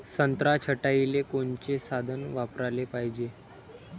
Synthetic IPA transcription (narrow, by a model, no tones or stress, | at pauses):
sənt̪ɾat͡ɕʰəʈailekoɳt͡ɕesad̪ʱənʋapɾalepaɦid͡ʑe